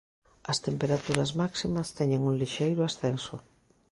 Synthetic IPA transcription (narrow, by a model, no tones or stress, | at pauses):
ɐst̪empeɾat̪uɾɐzmaksimɐst̪ɛɲeŋũŋliʃejɾʊasθensʊ̰